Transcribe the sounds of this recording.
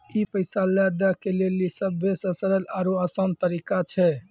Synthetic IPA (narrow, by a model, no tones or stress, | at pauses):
ipəɪsalɛd̪əkelelisəbʱːesəsəɾəlaɾoasənt̪əɾikat͡ʃʰɛ